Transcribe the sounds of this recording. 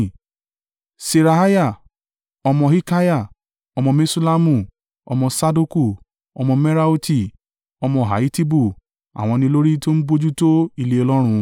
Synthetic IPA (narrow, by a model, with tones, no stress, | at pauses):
se˧ɾa˧ɦa˦ja˦˨ | ɔ˧mɔ̃˧hi˦ka˦ja˦˨ | ɔ˧mɔ̃˧me˦su˦la˦mũ˧˨ | ɔ̰˧mɔ̃˧sa˦du˦ku˦˨ | ɔ˧mɔ̃˧me˦ɾa˦u˦ti˦˨ | ɔ˧mɔ̃˧˨ɦa̰˨i˦ti˦bu˦˨ | a̰˨w̃ɔ̃˧nĩ˧lo˦ɾi˦to˦ñ̩˦bo˦d͡ʒu˦to˦i˦˧˨le˧ɔ˧lɔ˦ɾ̃ũ˧